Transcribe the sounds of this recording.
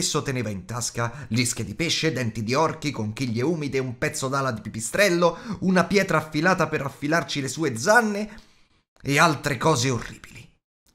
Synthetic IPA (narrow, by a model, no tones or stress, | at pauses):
sːot̪eneːvaint̪askalisk̟ed̪ipeʃːed̪ɛnt̪id̪iɔrkikoŋk̟iʎːeuːmid̪eumpɛt̪sːod̪aːlad̪ipipist̪ɾɛlːounapjɛːt̪ɾaːfːilaːt̪apeɾafːilart͡ʃilesuːed̪zanːeː | alt̪ɾekɔːzeorːḭːbili